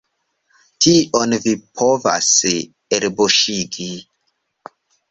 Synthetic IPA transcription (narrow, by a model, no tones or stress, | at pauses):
tiʔonvipʰova̰s | elboʃiɡi